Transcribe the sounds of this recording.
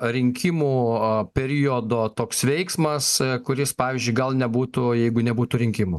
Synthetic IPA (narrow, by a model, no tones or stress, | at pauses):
ɾʲɪŋʲkʲɪmuːpʲɛɾʲijod̪oːt̪oːksʋʲɛɪksmɐskʊɾʲɪspɑːʋʲiːzʲd͡ʒʲʊɪɡɐlˠnʲɛbuːt̪ʊjɛɪɡʊnʲɛbuːt̪uɾʲɪŋʲkʲɪmu